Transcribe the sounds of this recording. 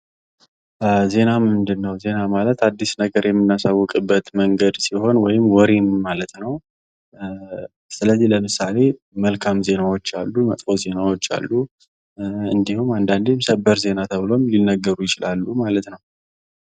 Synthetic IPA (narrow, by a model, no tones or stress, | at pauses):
ze̞namɨnd̪ɨnːəwze̞namalət̪ad̪ːisnəɡəɾjɛmːɨnːasawːɔkʼɨbːət̪məŋɡəd̪siho̞nwɔjɪmwɔɾinːalət̪nəw | sɨləzːihləmɨsale̞ | məlkʰamze̞nawot͡ʃːalːumət̪ʼfoze̞nawot͡ʃːa̰lːu | ɨnd̪ihumand̪and̪imsəbəɾze̞nat̪ʰəβɨlo̞mlinːəɡːəɾujɪt͡ʃɪlʔalːumalət̪nəw